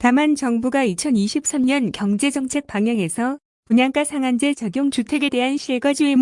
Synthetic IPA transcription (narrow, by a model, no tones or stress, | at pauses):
tamant͡ɕʌŋbuɡait͡ɕʰʌniɕʰip̚s͈amɲʌnkjʌŋd͡ʑe̞d͡ʑʌŋt͡ɕʰe̞k̚p͈aŋjʌŋe̞sʰʌ | puɲaŋk͈asʰaŋand͡ʑe̞t͡ɕaɡjoŋt͡ɕutʰe̞ɡe̞de̞ɦanɕʰiɭɡʌd͡ʑiem